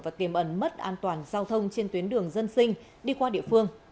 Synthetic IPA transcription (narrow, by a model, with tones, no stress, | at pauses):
vaː˨˩t̪i˨˩əmʔə˧˩nmə˦˥t̚ʔaː˧nt̪waː˨˩nzaː˧wt̪ʰə˧wŋ͡mt͡ɕe˧nt̪wi˨˦ənɗɨ˨˩əŋzə˧nsï˧ŋ̟ | ɗi˧kwaː˧ɗḭ˧˨əfɨ˧əŋ